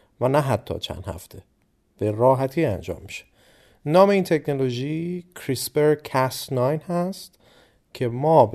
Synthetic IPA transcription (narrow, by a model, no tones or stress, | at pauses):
vænæɦæt̪ʰːɒ̰ːt͡ʃʰæ̰nd̪hæ̰ft̪ʰe | b̥eɾɒːɦæt̪ʰiːænd͡ʒɒ̰ːmːi̥ʃe̥ | nɒːme̞iːnt̪ʰe̞cʰnoloʒicʰɾisbeɾkʰæsnɒːjnhæst̪ | cʰe̞mɒːb